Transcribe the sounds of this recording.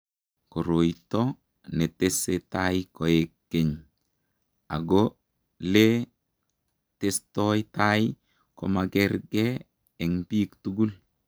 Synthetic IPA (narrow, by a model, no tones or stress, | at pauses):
koɾoitɔ | netesetaikɔekːeɲ | a̰ɡo | le | testɔjtai | komaɡeɾɡɛ | ɛŋpiːktuɡul